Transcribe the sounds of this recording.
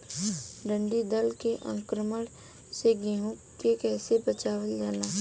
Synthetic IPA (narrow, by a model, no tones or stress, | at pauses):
ɖə̃ɳɖid̪əlkeʔə̰̃ŋkɾəməɽ | seɡiɦũkkekɛːsebət͡ʃaːwəld͡ʒaːnaː